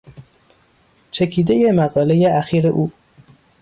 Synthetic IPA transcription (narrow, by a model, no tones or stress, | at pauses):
t͡ʃʰecʰiːd̪e̞je̞mæɣɒːle̞jeæxiːɾeʔuː